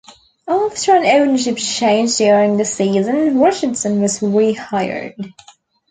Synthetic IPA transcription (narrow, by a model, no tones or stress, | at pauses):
æftə˞ə̃nõʊ̃nə˞ʃɪpt͡ʃʰẽɪ̃nd͡ʒdjʊɹɪ̃ŋðɨsiːzə̃nɹɪt͡ʃɪ̃nsə̃nwʌzɹihaɪə̰˞d̥